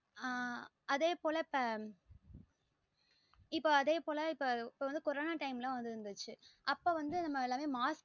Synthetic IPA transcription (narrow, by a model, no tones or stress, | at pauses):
a | ɐðeːpoːlɐpːɐ | ɪpːoːɐðeːpoːlɐɪpːoɪpːoːʋɐnd̪ɯkɔɾoːnaːʈɐɪmlãːʋɐnd̪ɯɾɯnd̪ɯt͡ʃːɯʔɐpːoːʋɐnd̪ɯnɐmːɐɪlːaːmeːmaːs